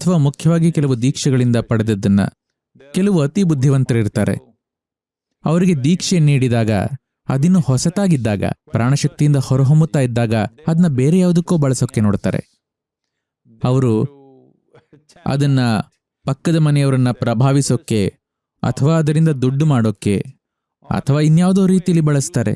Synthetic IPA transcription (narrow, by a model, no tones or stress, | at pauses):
ɐt̪ʰɐʋaːmukʰjɐʋaːɡikɛlɐʋud̪iːkʂɛɡɐɭind̪ɐpɐɽed̪ɐd̪ːɐnːɐ̰ | kɛlɐʋuɐt̪ibud̪ʱːiʋɐnt̪ɐɾɐiɾt̪aːɾe̞̰ | ɐʋɐɾiɡe̞d̪iːkʂeniːɽid̪aːɡɐ̰ | ɐ̰d̪inːuhɔsɐt̪aːɡid̪ːaːɡɐ̰pɾaːɳɐʃɐk̚t̪ijind̪ɐhɔɾɐɦombut̪ːaːjid̪ːaːɡɐɐd̪ɐnːɐbeːɾejaːʋud̪ɐkːoːbɐɭɐsoːkːe̞noːɽt̪a̰ːɾe̞̰ | ɐʋɐɾu | ɐ̰d̪ɐnːɐ | pɐkːɐd̪ɐmɐnɛjɐʋɐɾɐnːɐpɾɐbʱaːʋisoːkːe̞ | ɐ̰t̪ʰɐʋaːɐd̪ɐɾind̪ɐd̪uɖːumaːɽoːkːe̞̰ | ɐ̰t̪ʰɐʋaːinːjaːʋd̪oːɾiːt̪ijɐlːibɐɭɐst̪aːɾḛ